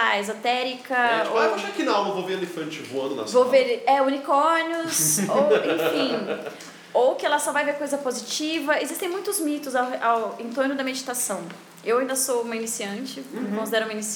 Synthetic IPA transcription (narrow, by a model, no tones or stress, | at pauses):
aezot̪ɛɾikɐajpaʃakinaawmɐvowveɾelĩfɐ̃t͡ʃɪvoɐ̃nd̪ʊnɐ̰vowvveɾɛunikoɾniʊsowẽfĩ | owkɪɛlɐsɔvajveɾkojzɐpozit͡ʃivɐezist̪ẽmũj̃t̪ʊzmit̪ʊzawawẽt̪oɾnʊd̪ɐmed͡ʒit̪asɐ̃w̃ | ewaĩd̪ɐsowũmɐinisiɐ̃t͡ʃɪkõsid̪ɛɾʊumɐinis